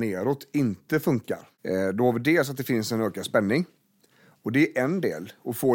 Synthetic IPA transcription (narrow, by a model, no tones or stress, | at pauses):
neːɾɔt̪ɪnt̪əfɵŋka̰ɾ | d̪ɔhɑːvɪɖ̪eːls̬at̪̚d̪ɛfɪnsɛnøːkad̪spɛnːɪŋ | ɔd̪ɛːɾʔɛnd̪ḛːlɔfoː